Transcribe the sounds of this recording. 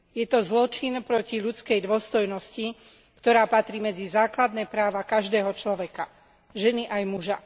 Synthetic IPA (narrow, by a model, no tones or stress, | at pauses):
jɛt̪ɔzlɔt͡ʃinpɾɔciʎut͡skɛjd̪ʊɔst̪ɔjnɔsci | kt̪ɔɾaːpat̪ɾiːmɛd͡zizaːklad̪nɛːpɾaːʋakaʒd̪ɛːɦɔt͡ʃlɔʋɛka | ʒɛniʔajmuʒa